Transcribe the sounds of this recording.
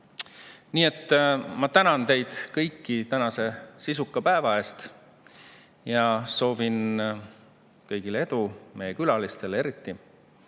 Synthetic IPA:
niːe̞t̪ːmɑt̪ænɑnt̪e̞jd̪̥kɤjkːit̪ænɑse̞sisukːˑɑpæevɑe̞ːst̪ | jɑso̞ːvin | kɤjɡ̥ilee̞d̪̥ume̞jːekylɑlist̪e̞le̞ɾit̪ːi

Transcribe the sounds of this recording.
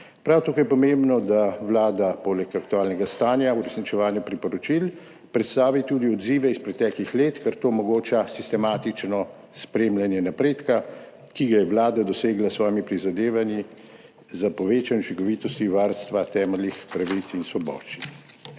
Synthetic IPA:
pɾawt̪akojɛpɔmembnɔd̪aʋlaːd̪apolɛkak̚t̪uaːlnɛɡast̪aːnjauɾɛsnit͡ʃɛʋaːnjapɾipɔɾɔt͡ʃil | pɾɛt̪st̪aːʋit̪uːd̪iɔd̪ziːʋɛispɾɛt̪ɛklixleːt̪kɛɾt̪oːmɔɡoːt͡ʃasist̪ɛmaːt̪it͡ʃnɔ | spɾemlanjɛnapɾeːt̪ka | kiɡajɛʋlaːd̪ad̪ɔseːɡlasʋɔːjɛmipɾizad̪eːʋanji | zapɔʋeːt͡ʃanɔt͡ʃikɔʋiːt̪ɔst̪iʋaɾst̪ʋat̪ɛːmɛlixpɾaʋit̪sinsʋɔbɔ̰ːʃt͡ʃi̥

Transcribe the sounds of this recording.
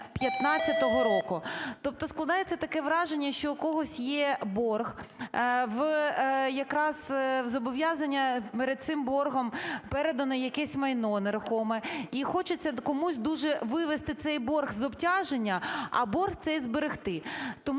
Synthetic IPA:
pʲjɐt̪nɑt͡sʲːɐt̪ɔɦɔɾɔkʊt̪ɔp̚t̪ɔsklˠɐd̪ɑjet͡sʲːɐt̪ɐkɛʋɾɑʒenʲːɐʃt͡ʃɔkɔɦɔsʲjɛbɔrɣ | ʋ | jɐkɾɑzzɔbɔʋʲjazɐnʲːɐpeɾed̪̚tsɪmbɔrɦɔmpɛɾed̪ɐnɔjɐkɛsʲmɐjnɔneɾʊxɔmɛixɔt͡ʃɪt͡sʲːɐkɔmusʲd̪uʒɛʋɪʋest̪ɪt̪sɛjbɔrɣzɔbtʲaʒenʲːɐɐ̰bɔrxt̪sɛjzbeɾɪxt̪ɪt̪ɔm

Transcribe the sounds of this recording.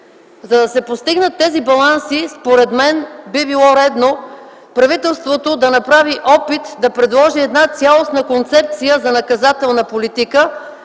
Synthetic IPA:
zɐd̪ɐsɛpost̪iɡnət̪ːɛzibɐlˠansispoɾɛd̪mɛnbibilˠɔɾɛd̪no | pɾɐvit̪ɛlˠst̪vot̪od̪ɐnɐpɾaviʔɔpit̪d̪ɐpɾɛd̪lˠɔʒiɛd̪nat̪sʲalˠosnəkont̪sɛp̚t̪sijəzɐnɐkɐzat̪ɛlˠnəpolit̪ikə

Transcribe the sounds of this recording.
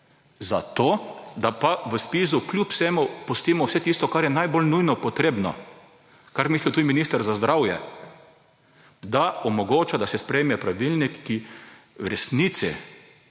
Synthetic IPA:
zat̪oːd̪apaʋəspis̬uklʲjupsɛmʊpɔst̪imɔwsɛt̪ist̪ɔkaɾjɛnajbolnujnɔpɔt̪ɾeːbnɔ̰ | kaɾmiːslit̪uːd̪iminist̪əɾzazd̪ɾʔawjɛ̰ | d̪aɔmɔɡoːt͡ʃad̪asɛspɾɛjmɛpɾaʋilnikːiwɾɛsnit̪sḭ

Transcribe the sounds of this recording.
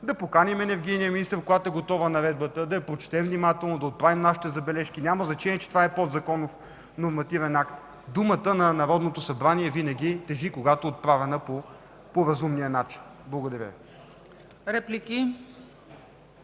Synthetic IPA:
d̪ɐpokanimɛnɛɾɡ̟ijnijəminist̪əɾkoɡat̪oɛɡot̪ɔvənɐɾɛd̪̚bət̪əd̪ɐɛpɾot͡ʃɛ̥t̪ɛmvnimat̪ɛlˠnod̪ɐot̪̚pɾavimnaʃi̥t̪ɛzɐbɛlɛʃkinʲaməznɐt͡ʃɛniɛt͡ʃɛt̪ovaɛpɔd̪zɐkɔnof | noɾmɐt̪ivɛnakt̪ | d̪umət̪ənɐnɐɾɔd̪not̪osɐbɾaniɛvinɐɡ̟it̪ɛʒikoɡat̪oɛot̪̚pɾavɛnəpo | poɾɐzumnijənat͡ʃi̥nblˠɐɡʊd̪ɐɾʲə̰vi | ɾɛpliki

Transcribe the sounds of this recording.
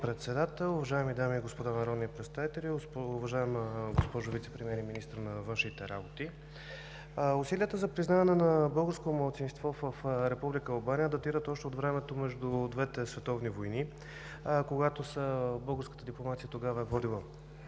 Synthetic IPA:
pɾɛt̪sɛd̪at̪ɛlˠʊvɐʒaɛmid̪amiɡospod̪anɐɾɔd̪niəpɾɛt̪st̪avit̪ɛlʲiʊvɐʒaɛmɡospɔʒʊvit̪sɛpɾimiɛɾiminist̪ɾnɐvɤnʃnit̪ɛɾabot̪i | ʊsiliət̪əzɐpɾiznavɐnɛnɐbɤlˠɡəɾskotoməlˠt̪sinst̪vɔvəfɾɛpublikəːlˠbanijəd̪ɐt̪iɾət̪ɔʃt̪ɛot̪vɾɛmɛt̪omɛʒd̪ud̪vɛt̪ɛsvɛt̪ɔvnivojni | koɡat̪osəbɤlˠɡəɾskət̪əd̪iplˠomat̪sijət̪oɡavəɛvɔd̪ilˠə

